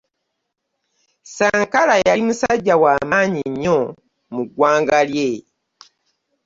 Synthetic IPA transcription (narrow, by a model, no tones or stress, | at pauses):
saːŋkalajaimusaɟːawaːmaːɲiɲːo | muɡwaːŋɡalje